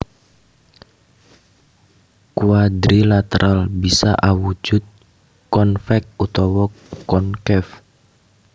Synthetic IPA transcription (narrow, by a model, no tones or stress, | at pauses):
kuad̪ɾilat̪əɾʔalbisa̰ʔawu̥d͡ʒ̥ʊt̪̚ | kɔnfɛk̚ut̪ɔwɔ | kɔnkɛf